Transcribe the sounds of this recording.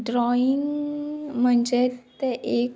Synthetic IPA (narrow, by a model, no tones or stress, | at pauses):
ɖɾɔiŋɡm̤əɳd͡ʑet̪eʔek